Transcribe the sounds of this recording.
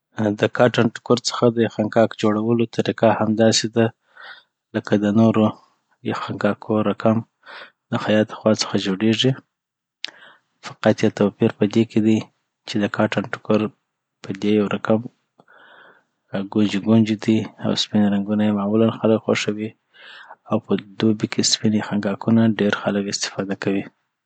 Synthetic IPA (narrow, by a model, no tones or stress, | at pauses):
d̪əkɑʈanʈʊ̥kʊɾt͡sə̥xad̪əjaxaŋkɑkd͡ʒoɽawəlot̪ʰaɾikahamd̪ɑsed̪a | ləkad̪ənoɾo | jaxaŋkɑkʰoɾakam | d̪əxajɑt̪əxwɑt͡sə̥xad͡ʒoɽeʐi | fḁqat̪jat̪awpiɾpəd̪eked̪i | t͡ʃed̪əkʰɑʈanʈʊ̥kaɾ | pəd̪ejawɾakam | ɡʊnd͡ʒiɡond͡ʒid̪ia̰wspinɾaŋɡunajemɑmulanxaləkxo̰ʂawi | awpəd̪obikʰespinjaxaŋɡɑkunaɖeɾxaləkɪst̪ɪ̥fɑd̪akawi